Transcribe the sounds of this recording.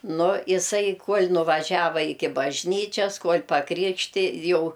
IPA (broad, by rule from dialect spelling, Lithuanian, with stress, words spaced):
ˈnʊ ɪˈsɐɪ ˈkuɔlʲ nʊʋɐˈʒʲæːʋɐ ˈɪkʲɪ bɐʒʲˈnʲiːt͡ʃʲɛs ˈkuɔlʲ pɐˈkrʲɪkʃʲtʲɪ ˈjɛʊ